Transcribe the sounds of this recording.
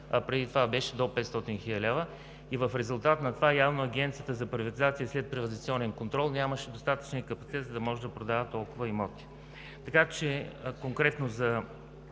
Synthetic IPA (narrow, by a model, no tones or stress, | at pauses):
ɐpɾɛd̪it̪ovabɛʃɛd̪opɛt̪st̪ɔt̪inxilʲəlʲɛvə | ivəfɾɛzulˠt̪at̪nɐt̪ovajavnoɐɡɛnt̪sijət̪əzɐpɾivɐt̪izat̪sijəslɛt̪̚pɾivəd̪it̪siɔnɛnkont̪ɾɔlˠnʲaməʃɛd̪ost̪at̪ə̥t͡ʃniəkəpɐt̪si̥t̪ɛt̪zəd̪ɐmɔʒɛd̪ɐpɾod̪avət̪ɔlˠkʊvəimɔt̪i̥ | t̪ɐkat͡ʃɛkoŋkɾɛt̪nozɐ